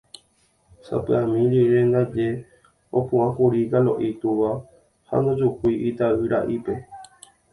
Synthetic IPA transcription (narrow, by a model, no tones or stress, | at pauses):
sa̰pɨãmĩɾiɾẽ̞nd̪ad͡ʒe̞ | opũãhuɾiɡalo̞̰ʔit̪uʋa | ha̰nõd͡ʒukʷuiʔit̪aɨɾaʔipe̞